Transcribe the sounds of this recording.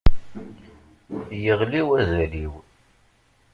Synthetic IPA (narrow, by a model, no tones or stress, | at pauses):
jəʁliwæzæliw